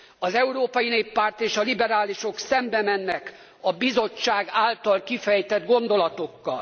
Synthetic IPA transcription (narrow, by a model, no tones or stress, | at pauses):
ɒzɛuɾoːpɒjineːpːaːrt̪eːʃɒlibɛɾaːliʃo̞ksɛmbɛmɛnːɛk | ɒbizo̞t͡ʃːaːɡaːlt̪ɒlkifɛjt̪ɛd̪ɡo̞nd̪o̞lɒt̪o̞kːɒ̰l